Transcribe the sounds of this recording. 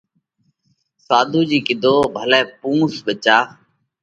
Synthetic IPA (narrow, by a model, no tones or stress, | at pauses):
saːd̪ʱuːd͡ʒiːkɪd̪ʱoːbʱəlɛːpũːsɓət͡ʃaː